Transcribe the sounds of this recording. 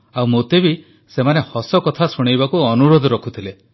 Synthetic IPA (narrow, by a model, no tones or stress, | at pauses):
awmot̪ebi | semanehɔsɔkɔt̪ʰasuɽ̃ejbakuɔnuɾod̪ʱɔɾɔkʰut̪ʰile